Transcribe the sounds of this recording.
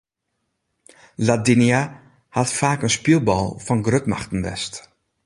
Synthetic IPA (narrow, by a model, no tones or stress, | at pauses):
ladinia | hatfaːkənspilˠbɔ̰lˠfɔnɡrøtma̰xtən̩ʋɛ̰st